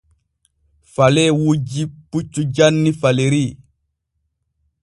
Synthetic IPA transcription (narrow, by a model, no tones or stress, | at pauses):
falewud͡ʒiput͡ʃːud͡ʒanːifaleɾi